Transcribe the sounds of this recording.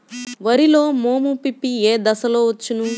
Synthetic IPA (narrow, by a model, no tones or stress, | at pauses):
ʋɐɾilo̞ːmoːmupipːieːd̪ɐsɐloːʋɐt͡ʃːunu